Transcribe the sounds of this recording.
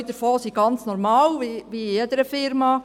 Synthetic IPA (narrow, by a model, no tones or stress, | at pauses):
id̥̪əɾfoːsiɡ̥ɑnt͡snɔɾmɑːlʋiʋiɛd̪əɾəfɪɾmɑ